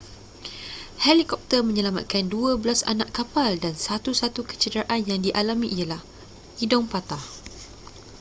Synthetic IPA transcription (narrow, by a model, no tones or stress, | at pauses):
helikɔp̚t̪ərmə̃ɲəlama̰t̪̚kanduabəlasa̰naʔkapaldansat̪usat̪ukə̥t͡ʃədəɾaʔanjaŋdiʔalamĩʔijalah | idɔŋpat̪ah